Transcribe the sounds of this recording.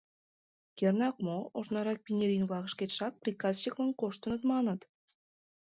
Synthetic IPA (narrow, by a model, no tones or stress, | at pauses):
kʲernɑk̚mooʃnɑɾɑk̚pʲinʲeɾʲinβɑɣə̆ʃkʲet̪ʃɑk̚prʲikɑzɕiklɑnkoʃt̪ə̆nət̪mɑnɤ̆t̪